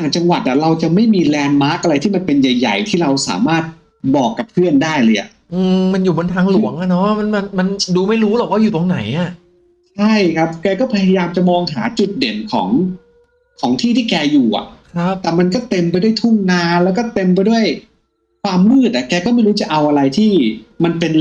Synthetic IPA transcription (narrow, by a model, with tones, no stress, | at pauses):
t̪ʰaː˨˩ŋt͡ɕa˧ŋwa˨˩t̪̚ʔa˨˩ɾa˧wt͡ɕa˨˩ma˥˩jmiː˧lɛː˧nmaː˦˥k̚ʔa˧ɾa˧jt̪ʰiː˥˩ma˧npe˧nja˨˩jːa̰˨˩jt̪ʰiː˥˩ɾa˧wsa̰ː˩˦maː˥˩t̪̚ | bɔː˨˩kːa˨˩pʰɯ˥˩əndaː˥˩jlɤː˧jʔa̰˨˩ʔ | ʔɯː˧ma˧njuː˨˩bo˧nt̪ʰaː˧ŋlu˩˦əŋʔa˨˩nɔ˦˥ma˧nma˧nma˧nduː˧ma˥˩jɾuː˦˥lɔː˨˩k̚waː˥˩juː˨˩t̪o˧ŋna˩˦jʔa˧˩ | t͡ɕʰa˥˩jkʰa˦˥p̚kɛː˧kɔː˥˩pʰa˧ja˧jaː˧mt͡ɕa˨˩mɔː˧ŋɦaː˩˦t͡ɕu˨˩t̪̚de˩˦nkʰɔ̰ː˩˦ŋ | kʰɔː˩˦ŋt̪ʰiː˥˩t̪ʰiː˥˩kɛː˧juː˨˩ʔa̰˨˩ʔkʰa˦t̪ɛː˨˩ma˧nkɔː˥˩t̪e˧mpa˧jdu˥˩jt̪ʰu˥˩ŋnaː˧lɛː˦˥wkɔː˥˩t̪e˧mp̬a˧jdu˥˩əj | kʰwaː˧mːɯː˥˩t̪̚ʔa˨˩kɛː˧kɔ˥˩ma˥˩jɾuː˦˥t͡ɕa˨ʔa˧wʔa˧ɾa˧jt̪ʰiː˥˩ma˧npe˧n